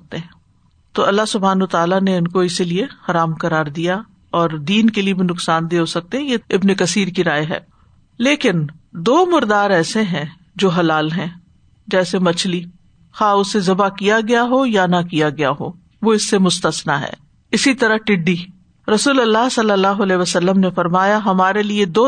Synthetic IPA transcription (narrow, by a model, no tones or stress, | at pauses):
t̪eɦɛ̃ː | t̪oːɐlːaɦsʊbʱaːnət̪aːlaneʊnkoɪsiliexɐɾaːmkɐɾaːɾd̪ija | ɔːɾd̪iːnkeliebʱinʊksaːnd̪eɦosɐk̚t̪eɦɛ̃jeɪbnekɐsiːɾkiɾaːeɦɛ̰ː | leːkɪn | d̪oːmʊɾd̪aːɾɛːseɦɛ̃ | d͡ʒoːɦɐlaːlɦɛ̃ː | d͡ʒɛːsemɐt͡ʃʰli | xaːʊsːezɐbakijaɡɐjaɦojanakijaɡɐjaɦo̰ː | ʋoɪsːemʊst̪əsnaɦɛ̰ː | ɪsit̪ɐɾəɦʈɪɖːi | ɾɐsuːlɐlːaɦsɐlːəlːaːɦoɐlɛːʋəsɐlːəmnefɐɾmaːjaɦɐmaːɾelied̪oː